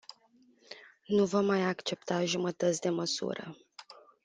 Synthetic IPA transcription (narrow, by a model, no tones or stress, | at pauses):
nuvomːajakt͡ʃe̞p̚t̪aʒumət̪ət̪sʲd̪e̞məsṵɾə̰